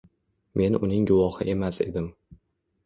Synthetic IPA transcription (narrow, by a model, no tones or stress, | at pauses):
me̞nʊ̰nɪŋɡʊvɒhɪʔe̞mase̞̰d̪ɪm